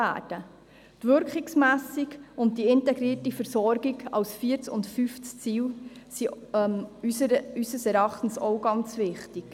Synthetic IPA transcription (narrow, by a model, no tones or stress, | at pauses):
æ̰ːd̥ə | tvʏɾkχiksmæːsikʊnt̚diɪntɛɡɾiːətifəɾsɔɾɡiɡɑ̰wsfiːəɾt͡sʊ̰ntfyft͡st͡siːwsi | ysəsɛɾɑχtən̩sɔwɡɑnt͡svɪχtik